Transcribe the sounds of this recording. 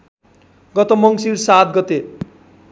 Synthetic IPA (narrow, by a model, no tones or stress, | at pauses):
ɡʌt̪omʌŋsiɾsat̪̚ɡʌt̪e